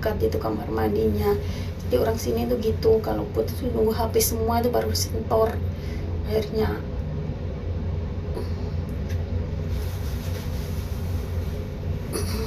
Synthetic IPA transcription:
kat̪̚it̪ukamarmadiɲa | st̪ioɾaŋsinit̪uɡit̪ukaloput̪nuŋɡuɦapisəmuait̪̬ubaɾusɛnt̪ɔr | ahirɲa

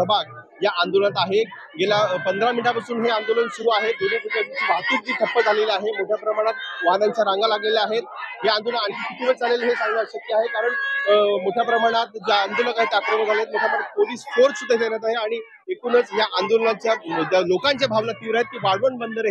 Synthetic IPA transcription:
əbak̚ | jaʔand̪olənat̪aɦe | ɡelapənd̪ɾamiʈapat͡suːnɦeand̪olənsuɾuːaɦed̪oned͡zukat̪it͡ɕiːbʱak̪iːt̪̚d͡ʑiːk̪ʰəpːəd͡zʱalelaɦemoʈ̪ʰjapɾəmaɽ̃at̪̚ʋanaɲt͡ɕjaɾaŋɡalaɡleleaɦet̪̚ɦeand̪olaaɳkʰikʰit̪ʰiʋəʈd͡zʱalelɦesaŋɡnaəɕək̚t̪ːiaɦekaɾəɳmoʈʰjapɾəmaɽ̃at̪̚d͡ʑaand̪oləkaɦit̪eakɾənəd͡zʱalaɦet̪̚moʈʰjaməpoliːsfoɾt͡sit̪əs̬enat̪̬aɦeaɽ̃i | ekuːnət͡sjaʔand̪olənat͡ɕjalokãɲt͡ɕjabʱaʋlat̪iʋɾaɦet̪̚ːiːbaɽʋəɳbənd̪əɾ

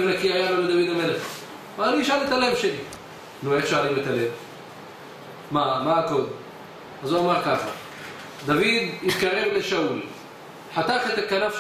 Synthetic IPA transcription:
vnakiajaloled̪avid̪ameleχ | maaniʃalet̪alemʃeli | nueχʃaalimet̪alem | amaako̞d̪em | azuamaʁkaχa | d̪avid̪it̪kaʁe̞vleʃaul | ħat̪aχet̪akanaf

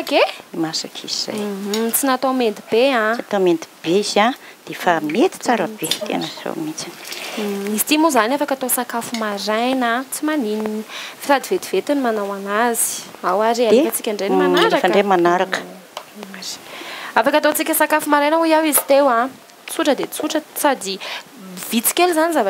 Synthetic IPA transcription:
aɡeimasakʰḭziz̥a̰jɦt͡sinat̪omend̪ib̥eãat̪omend̪i̥b̥eza | d̪̥efamet̪i̥t͡saɾəb̥et̪ḛnəz̥o̰mit͡sin̥ | izit̪imuzanafakat̪osakafumaɾajnat͡simanininifiɾad̪ivet̪ivet̪inimanawaŋazi̥awaɾialefat͡si̥kʲaɳɖ͡ʐenimanaɾɾakfaɳɖ͡ʐemanaɾakə̥ | aɾ̥afakat̪ot͡sikʲəsakafumaɾajnəujawizi̥t̪ewã | t͡suʈ͡ʂəd̪et͡suʈ͡ʂəsad̪i | vit͡si̥kʲelzanizava

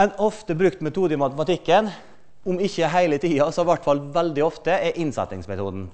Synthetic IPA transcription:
ɛnɔft̪əbɾʉkt̪mɛt̪ʰuːd̪əmɑt̪ɛmɑt̪ɪkːən | ʊmɪçːəɦæɪlət̪ʰiːɑsɔʋæʈːfɑlʋæld̪ɪɔft̪əɛʔɪnsɑ̰t̪ːɪŋsmɛt̪ʰṵːd̪n̩

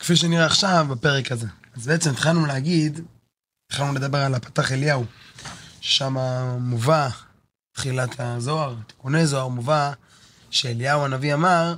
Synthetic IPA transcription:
kfiʃ̬eniʁeaχʃavbape̞ʁekaze̞azbeet͡semt̪χalnuleaɡid̪ | t̪χalnule̞d̪abe̞ʁalapḁt̪aχeljau | ʃeʃamamuva | t̪χilatʰazo̞aʁt̪i̥konezo̞aʁmuva | ʃeːljawanaviamaʁ

